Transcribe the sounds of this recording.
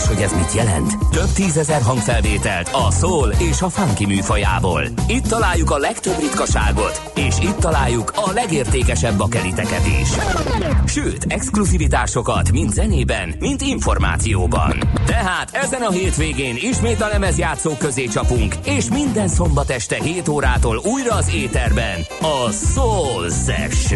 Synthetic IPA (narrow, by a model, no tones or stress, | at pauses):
ʃho̞ɟɛzmit̪jɛlɛ̰nt̪t̪øbt̪iːzɛzɛrɦɒŋkfɛlveːt̪ɛ̰lt̪ɒsoːleːʃɒfaŋkimyːfoja̰ːbo̰ːlit̪ːɒlaːjːukɒlɛkt̪øbrit̪kɒʃa̰ːɡo̞t̪ | eːʃiːt̪ːɒlaːjːukʰɒlɛɡeːrt̪eːkɛʃɛbːɒkɛlit̪ɛkɛd̪ḛːʃ | ʃøːt̪ɛkskluzivit̪aːʃo̞kɒt̪mint̪zɛneːbɛnmint̪iɱfo̞rma̰ːt̪sijo̰ːbɒ̰nt̪ɛɦaːt̪ʰɛzɛnɒɦeːt̪ʋeːɡeːniʃmeːt̪ɒlɛmɛzjaːt̪soːkøzeːt͡ʃɒpuŋkeːʃmind̪ɛnso̞mbɒt̪ɛʃt̪ɛɦeːt̪oːɾaːt̪oːluːjrɒːzeːt̪ɛrbɛnɒsolsɛ̰ʃ